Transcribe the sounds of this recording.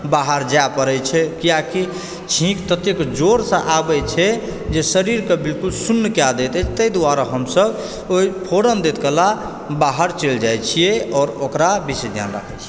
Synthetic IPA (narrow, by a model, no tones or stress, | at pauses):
baɦəɾd͡ʒapəɾɛt͡ʃʰɛkijaki | t͡ʃʰĩkt̪ət̪jekd͡ʒoɾsə̃ʔabɛt͡ʃʰɛ | d͡ʒesəɾiɾkebilkulsunːkjad̪et̪ɛt͡ʃʰt̪əjd̪waɾaɦəmsəb | oipʰoɾəmd̪et̪kela | baɦəɾt͡ʃeld͡ʒajt͡ʃʰijeɔːɾokɾabised͡ʒ̪ja̰nɾa̰kʰɛt͡ʃʰi